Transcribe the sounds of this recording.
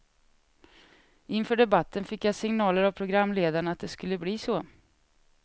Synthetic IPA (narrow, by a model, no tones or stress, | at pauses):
ʔɪnfœːɖɛbat̪ʰːənfɪkːjasɪŋnɑːləɾavpʰɾʊɡɾamːleːd̪aɳəat̪̚d̪ɛskɵlːəbliːsɔ